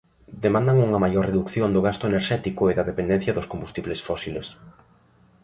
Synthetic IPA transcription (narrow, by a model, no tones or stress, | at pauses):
d̪emãnd̪ɐŋuŋɐmajoɾreðukθjond̪ʊɣ̞ast̪ʊeneɾʃɛt̪ikʊeðɐðepend̪ɛ̃n̟θjɐðʊskombust̪iβlesfɔsilḛs